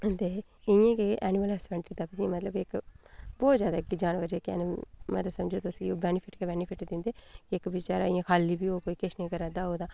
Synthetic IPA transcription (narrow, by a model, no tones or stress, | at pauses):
t̪eː | ɪjãːkeʔɛːnɪməlɛːsmɛːɳʈɾiːt̪aːpɪsĩmət̪ləbɪkbɔːt̪zjaːd̪aːɪk̚did͡ʒaːnʋəɾekɛ̰ːnm̰t̪ləsəmd͡ʒoːt̪ʊsɡioːbɛːnɪpʰɪʈkebɛːnɪpʰɪʈd̪ɪ̃nd̪eːkɪkbɪt͡ʃaːɾaːɪ̃jãːkʰaːliːbiːoːkoːiːkɪt͡ʃnẽːkəɾãːd̪aːoːd̪aː